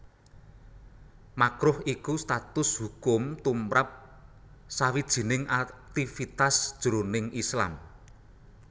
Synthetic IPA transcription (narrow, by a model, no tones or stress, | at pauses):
makɾʊhikust̪at̪ʊshukʊmt̪umɾap̚ | sawid̥ʒ̥i̤nɪŋʔat̪ifit̪asd̥ʒ̥ṳɾonɪŋʔisla̰m